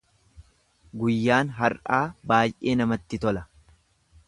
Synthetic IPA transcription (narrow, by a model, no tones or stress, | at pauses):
ɡʊjːaːnɦɐɾʔaːbaːjʔe̞ːnɐmɐt̪ːɪt̪ɔlɐ